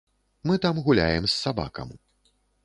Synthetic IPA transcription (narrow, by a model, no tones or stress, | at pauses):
mɨt̪amɣulʲa̰jɛmsːaba̰kɐ̰m